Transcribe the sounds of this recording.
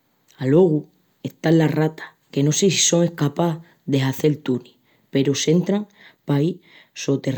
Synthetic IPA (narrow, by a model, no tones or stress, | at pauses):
alo̞ɣ̞u | e̞ht̪alːarat̪ḁ | ke̞no̞sesi̥so̞ŋe̞hkapa | ðe̞ɦaθe̞lt̪uni | pe̞ɾose̞nt̪ɾaŋ | pai | so̞t̪e̞r